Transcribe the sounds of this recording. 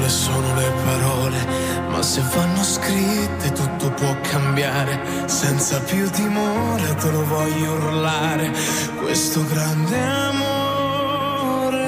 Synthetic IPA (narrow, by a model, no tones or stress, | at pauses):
lesoːnolepʰaɾɔːle | mʔa̰sːevːanːoskɾit̪ʰːet̪ut̪ʰːopwɔkʰːambjaːɾe | sɛnt̪sapjut̪ːimoɾet̪elovɔʎːonulːaːɾe | kwḛst̪ʊɡɾand̪eamo | ɾ